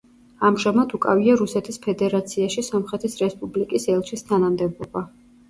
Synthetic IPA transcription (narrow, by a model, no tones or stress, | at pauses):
amʒamad̪ukʼa̰viaɾusɛt̪ʰispʰɛd̪ɛɾat̪sʰiaʃisɔmχɾɛt̪ʰisɾɛspʼublikʼisɛlˠʃist̪ʰanamd̪ɛbɔba